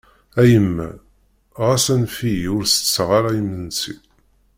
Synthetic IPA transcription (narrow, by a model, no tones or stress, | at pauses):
æjəmːæ̰ | ʁasænfijiʊɾsə̥sːʁaɾajəmːənsḭ